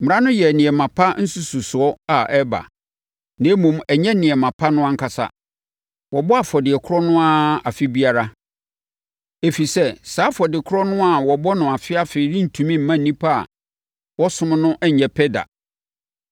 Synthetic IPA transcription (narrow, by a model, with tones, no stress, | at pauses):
m̩˨˦ã˦nʊ̃˦jɛ˨nɪ̃˨ɛ˨mã˨pʰa˦n̩˦su˦su˨sʊ˨ɔ˦a˨ʔɛ˦ba̰˨ | nẽ˨˦mũ˨mɛ˨ɲɛ̃˦nɪ̃˨ɛ˨mã˨pʰa˦nʊ̃˦ã˦ŋ̩˦kʰa˨sa̰˨ | wɔ˨bɔ˦a˨fɔ˨dɪ˨ɛ˨kʰʊ˦ɔ˦nʊ̃˦a˦a˨fɪ˦bi˦a˦ɾa˦ | e˨fi˨sɛ˦saː˨˦fɔ˨dɪ˨kʰʊ˦ɾɔ˦nʊ̃˦a˨wɔ˨bɔ˦nʊ̃˨a˨fɪ˦a˦fe˨i˨ɾĩ˦n̩˨tʰũ˨mĩ˦m̩˨mã˦n̩˨nĩ˦pʰa̰˦˨ | wɔ˦sʊ̃˦m˦nʊ̃˦ʔɛ˦ɲ˨ɲɛ̃˨pʰɛ˦da̰˨